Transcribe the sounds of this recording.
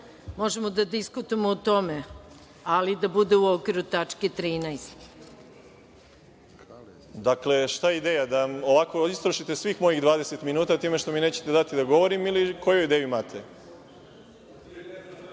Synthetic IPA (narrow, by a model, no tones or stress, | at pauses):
mo̞ʒe̞mod̪ad̪iskut̪uemoːt̪o̞me | alid̪abud̪euokʋiɾut̪at͡ʃket̪ɾiːnajsk̪ | d̪akle̞ʃt̪ajeid̪eːjad̪aoʋako̞ist̪ɾoʃit̪esʋiːxmo̞jiɣd̪ʋaːd̪ese̞t̪minuːt̪at̪iːme̞ʃt̪o̞mineːt͡ɕe̥t̪ed̪at̪id̪aɡo̞ʋo̞ɾimiliko̞jojid̪eːjuimaːt̪ʰe